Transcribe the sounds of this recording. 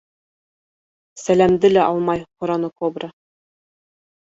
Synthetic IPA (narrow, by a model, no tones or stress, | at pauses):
sælæmd̪ɘlæʔɑlˠmɑjqŏɾɑnɤkobɾɤ